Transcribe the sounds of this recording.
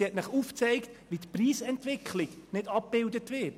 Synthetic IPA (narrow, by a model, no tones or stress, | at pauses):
iɛtmɪχuft͡sɛɪktʋitpriːsɛntvɪkχlɪɡ̥ | nɪdɑp̚b̥ɪldətʋɪt